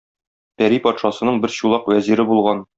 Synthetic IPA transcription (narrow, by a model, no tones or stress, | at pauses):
pæɾipɒt̪ʃɑsɤ̆nɤɴbɘɾɕulˠɑqwæziɾɘbulˠʁɑn